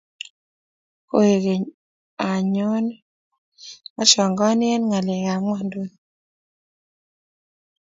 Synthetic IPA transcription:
ko˦e˨ɡe˨ | a˨ɲo˦n | a˦ʃɔ˨ŋɡɔ˦nɪ˦ɛ˦nŋa˨lɪ˨ŋa˨ŋɔ˦ndo˦

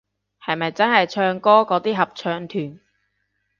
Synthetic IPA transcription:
hɐ˨jmɐ˨jt͡sɐ˥nhɐ˨jt͡ʃʰœː˧ŋkɔː˥kɔː˨˥t̪iː˥ɦɐ˨p̚t͡ʃʰœː˧ŋt̪ʰyː˨˩n

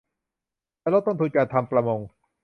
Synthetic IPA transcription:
ɛː˧˩lo˦˥t̪ːo˥˩nt̪u˧nkaː˧nt̪ʰa˧mpɾa˧mo˧ŋ

